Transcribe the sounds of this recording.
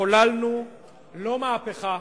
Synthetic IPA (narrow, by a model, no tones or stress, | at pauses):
olalnu | lo̞maːpeχa